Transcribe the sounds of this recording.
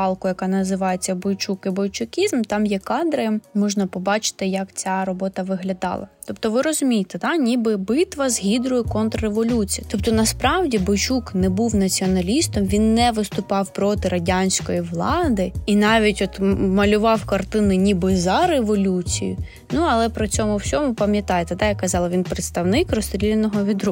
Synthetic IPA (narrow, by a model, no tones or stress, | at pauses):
ɑlˠkʊjɐkɑnɐzɪʋɑjet͡sʲːɐbɔjt͡ʃukibɔjt͡ʃʊkʲizmt̪ɑmjɛkɑd̪ɾɪmɔʒnɐpɔbɑt͡ʃɪ̥t̪ɪjɐkt͡sʲaɾɔbɔt̪ɐʋɪɦlʲɐd̪ɑ̰lˠɐ̰t̪ɔpt̪ɔʋɪɾɔzʊmʲijɪt̪ed̪ɑnʲibɪbɪt̪ʋɐzɦʲid̪ɾʊjʊkɔnt̪reʋɔlʲut͡sʲijɐt̪ɔp̚t̪ɔnɐspɾɑwdʲibɔjt͡ʃuknɛbuwnɐt͡sʲiɔnɐlʲist̪ɔmʋʲinːɛʋɪst̪ʊpɑwpɾɔt̪ɪɾɐdʲanʲsʲkɔjiʋlˠɑd̪ɪinɑʋʲitʲɔt̪mɐlʲʊʋɑwkɐrt̪ɪnɪnʲibɪzɐɾeʋɔlʲut͡sʲḭjʊ̰ | nuɐlˠɛpɾɪt͡sʲɔmʊwt͡sʲɔmʊpɐmʲjɐt̪ɑjet̪ɛd̪ɑjɐkːɐzɑlˠɐʋʲinpɾet̪st̪ɐwnɪkrɔst̪ʲɾʲilʲenɔɦɔʋʲid̪ɾu